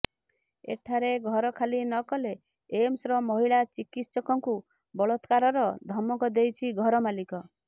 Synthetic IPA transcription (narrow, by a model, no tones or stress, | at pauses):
ḛʈʰaɾeɡʱɔɾɔkʰalinɔkɔle | emsɾɔmɔɦiɭat͡ʃikit̪sɔkɔŋku | bɔɭɔt̪kaɾɔɾɔd̪ʱɔmɔkɔd̪ejt͡ʃʰiɡʱɔɾɔmalikɔ